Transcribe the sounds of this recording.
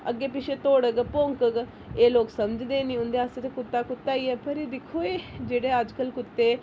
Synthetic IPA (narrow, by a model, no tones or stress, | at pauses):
ə̰ɡːeːpɪʃʰeːt̪oːɽəɡpõŋkəɡ | eːloːksəmd͡ʒd̪eːnĩɦʊ̃nd̪eːəset̪ekʊt̪ːaːkʊt̪ːaːiːɛːpəɾeːd̪ɪkʰːoːeːd͡ʒeːɽeːəd͡ʒkəlkʊt̪ːeː